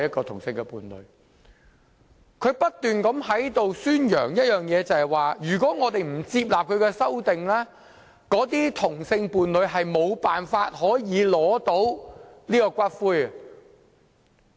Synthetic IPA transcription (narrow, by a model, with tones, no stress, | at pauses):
jɐ˥t̚kɔː˧t̪ʰʊ˨˩ŋsɪ˧ŋɡɛ˧puː˨nlɵ̰˨˧˥ɥ | kʰɵ˨˧ɥpɐ˥t̚t̪yː˨nkɐ˨˥mhɐ˨˥jt̪o˨wsyː˥njœ̰ː˨˩ŋjɐ˥t̚jœː˨ŋjɛː˨˧t͡sɐ˨hɐ˨˩jwaː˨˧jyː˨˩kʷɔː˨˥ŋɔː˨˧t̪e˨jm̩˨˩t͡siː˧p̚laː˨p̚kʰɵ˨˧ɥkɛ˧sɐ˥wt̪ɪ˨ŋlɛː˥ | kɔː˨˥t̪̬iː˥t̪ʰʊ˨˩ŋsɪ˧ŋpuː˨˧nlɵ˨˧ɥɦɐ˨jmo˨˧wpaː˨nfaː˧t̚ɦɔː˨˥jiː˨˧lɔː˨˥t̪o˨˥wliː˥kɔː˧kʷaː˥t̚fuː˥jɐ˨